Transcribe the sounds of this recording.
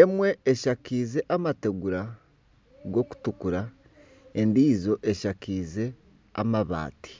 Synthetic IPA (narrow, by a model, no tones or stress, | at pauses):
emwe̞ːʃakiːze̞ʔamate̞ɡuɾa | ɡo̞ku̥tukuɾa | e̞ndiːzo̞ʔeʃakiːze̞ | a̰maβa̰ːti̥